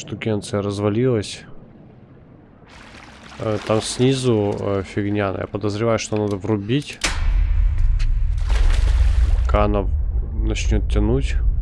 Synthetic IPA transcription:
ʂt̪ʊɡʲent̪sɨjəɾəzvɐlʲilˠəsʲ | t̪amsʲnʲizʊfʲɪɡnʲanə̰ja̰pəd̪əzɾʲɪvajʊʂt̪onad̪əvrʊbʲitʲ | pɐkaɐnanɐt͡ɕnʲot̪tʲːɪnutʲ

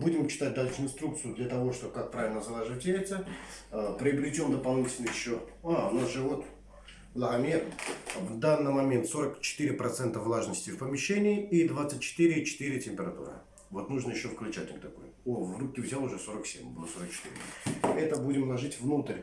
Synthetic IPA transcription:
budʲɪmt͡ɕɪ̥t̪at̚ʲd̪alʲʂɨɪnst̪ɾuk̚t̪sɨjʊd̪lʲat̪ɐvo̞ʂt̪obkak̚pɾavɪlʲnəzɐlˠaʐɨvətʲeɪt̪səəpɾʲɪɐbɾʲɪtʲomd̪əpɐlˠnʲitʲɪlʲnəjɪɕːoaʊnasʐɨvot̪ | lˠɐɣɐmʲervd̪anːɨjmɐmʲent̪so̞ɾəkt͡ɕɪ̥t̪iɾʲɪpɾɐt̪sɛnt̪əvlˠaʐnəsʲtʲɪfpəmʲɪɕːenʲɪːid̪vat̪sɨt̚ʲt͡ɕːɪ̥t̪ɨɾʲɪt͡ɕɪ̥t̪iɾʲɪtʲɪmʲpʲɪɾɐt̪ṵɾə̰ | vo̞t̪nuʐnəjɪɕːo̞fklʲʉt͡ɕa̰tʲɪmt̪ɐko̰j | ovrup̚kʲɪvzʲalˠʊʐɛso̞ɾəksʲḛmʲbɨlˠəso̞ɾək̚t͡ɕɪ̥t̪ḭɾʲɪ̰ɛt̪əbudʲɪmlˠɐʐɨtʲvnut̪əɾʲ

